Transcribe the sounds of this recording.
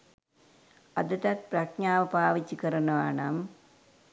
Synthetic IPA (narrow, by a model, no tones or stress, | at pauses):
ɐd̪ɐt̪ɐt̪̚prɐkɲaːʋəpaːʋit͡ɕːikəɾənəʋaːnɐm